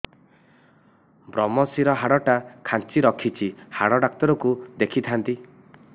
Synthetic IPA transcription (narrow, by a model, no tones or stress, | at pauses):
bɾɔmɔsiɾɔɦaɽɔʈakʰant͡ʃiɾɔkʰit͡ʃʰihaɽɔɖak̚t̪ɔɾɔkud̪ekʰit̪ʰant̪i